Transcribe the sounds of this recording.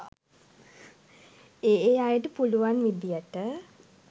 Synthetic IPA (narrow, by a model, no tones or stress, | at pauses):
eeajəʈəpuluʋanʋid̪ijəʈə